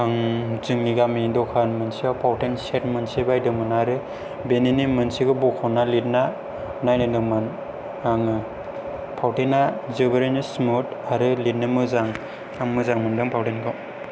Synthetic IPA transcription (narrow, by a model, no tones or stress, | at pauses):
aŋzɯŋniɡamidɔkʰanmɯnsiawpʰawtenset̚mɯnsibajdɯmɯnaɾɯ | beninimɯnsiɡɯbɔkʰɔnalit̚na | najnɯdɯman | aŋɯ | pʰawtenazɯbɯɾenɯsmutaɾɯlit̚nɯmɯzaŋ | amɯzaŋmɯndɯŋpʰawtenɡɔ